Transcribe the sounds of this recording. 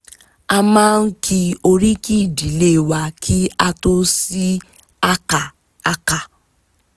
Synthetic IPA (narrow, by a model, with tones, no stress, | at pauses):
a˧mãː˦˧n̩˦kʰi˧o˧ɾi˦ki˦˨di˨˦le˦˨wa˧kʰi˦a˧to˦si˦ | a˦ka˨ | a˦ka˨